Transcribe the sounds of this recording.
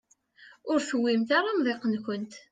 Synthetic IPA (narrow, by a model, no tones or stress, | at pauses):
ʊɾθəwːimt̪aɾˤamðˤeqːənkʷənt̪